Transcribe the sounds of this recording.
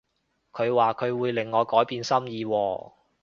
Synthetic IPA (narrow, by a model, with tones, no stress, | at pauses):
kʰɵ˨˧ɥwaː˨kʰɵ˨˧ɥwuː˨˧jlɪ˨˩ŋːɔː˨˧kɔː˨˥jpiː˨˧nsɐ˥mjiː˨˧wɔː˧